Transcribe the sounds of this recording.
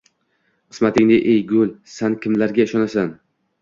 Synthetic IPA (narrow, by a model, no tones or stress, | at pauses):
qʰɨ̥smat̪ɪŋnɪʔejɡʲʊlˠsankʲʰɪmlaɾɡʲaɪʃɒnasan